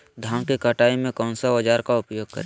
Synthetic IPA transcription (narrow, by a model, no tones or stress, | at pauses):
d̪ʱaːmkikaʈaːimẽkɔ̃ːnsabɐd͡ʒaːɾkaʊpjoːɡ̚kə̰ɾeː